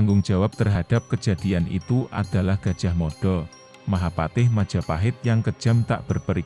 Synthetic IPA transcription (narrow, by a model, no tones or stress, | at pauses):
aŋɡʊŋd͡ʒ̥awap̚t̪ərɦad̥a̤p̚kə̥d͡ʒ̥a̤d̥ianḭt̪uʔa̰d̥alahɡ̥a̤d̥ʒ̥a̤hmod̥ɔ | maɦapat̪ɪhmḁd͡ʒ̥a̤paɦɪt̪̚jaŋkə̥ʒ̥amt̪a̰ʔb̥ərpəɾi